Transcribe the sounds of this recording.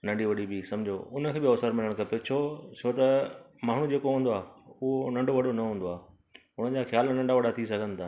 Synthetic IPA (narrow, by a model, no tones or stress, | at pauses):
nɐ̃ɳɖiʋɐɗibisɐ̃md͡ʑʱoʊnə̆kʰeːbiɔːsəɾmɪləɽ̃kɐpet͡ɕʰot͡ɕʰot̪ɐ | maːɳ̤ũd͡ʑeːkoɦũːnd̪oaːʊɦonɐ̃ɳɖoʋɐɗonɐɦũːnd̪oaː | ʊnə̆d͡ʑaxjaːlnɐ̃ɳɖaʋɐɗat̪ʰisɐɡʱə̃nɪ̆t̪ʰaː